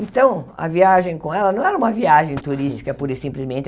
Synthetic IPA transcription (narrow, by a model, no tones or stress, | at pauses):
ẽnt̪ɐ̃w̃ɐ̰viaʒẽj̃kõɛlɐnɐ̃w̃ɛɾɐũmɐviaʒẽj̃t̪uɾist͡ʃi̥kɐpuɾesĩmplɪzmẽnt͡ʃ̪